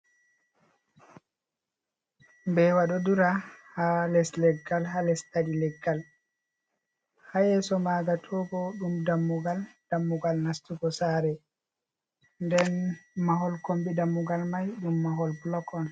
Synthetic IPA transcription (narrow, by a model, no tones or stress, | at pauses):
mbɛwaɗɔduɾahalɛslɛɡːalɦalɛstadilɛɡːal | hajɛːsɔmaːɡatʰɔɡɔɗumdamːuɡald̥amːuɡalnastuɡɔsaːɾɛ | ndɛnmaɦɔlkombidamːuɡalmajɗumːaɦɔlblɔkɔn